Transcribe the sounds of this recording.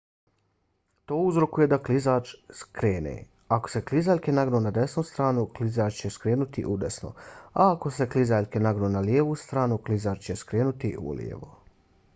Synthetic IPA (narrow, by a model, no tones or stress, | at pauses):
t̪o̞ːuzɾo̞kuje̞d̪aklizaːt͡ʃskɾeːnḛ | ako̞̥se̞klizaːʎkenaɡnoːnad̪esnust̪ɾaːnuklizaːt͡ʃt͡ɕeskɾeːnut̪ḭʔud̪esno̰aako̞se̞klizaːʎkenaɡnoːnaljeːʋuːst̪ɾaːnuklizaːt͡ʃt͡ɕe̞skɾeːnut̪iṵljḛʋo̰